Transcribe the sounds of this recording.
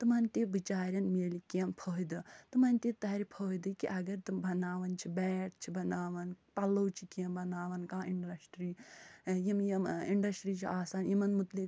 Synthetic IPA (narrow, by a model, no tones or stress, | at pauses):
t̪ɨmɐnt̪ibit͡ʃaːɾʲjɐnmeːlikjɐmpʰoːid̪ɨt̪ɨmɐnt̪ʲit̪ɐɦɾʲipʰoːjd̪ɨkḭʔɐɡɐɾt̪umbɐnaːʋɐnt͡ʃʰibɛːʈ̚t͡ʃʰibɐnaːʋɐnpɐlowt͡ʃʰikiɐmbɐnaːʋɐnkãːiɳɖɐsʈɾijimjɐmiɳɖɐsʈɾit͡ʃʰiʔaːsaːnjimɐnmut̪lik